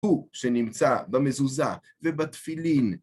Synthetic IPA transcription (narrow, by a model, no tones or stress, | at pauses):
uʃenimt͡sabamezuza | vebat̪filin